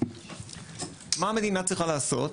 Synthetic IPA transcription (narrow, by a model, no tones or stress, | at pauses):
maːmed̪inat͡sʁiχalaːso̞̰t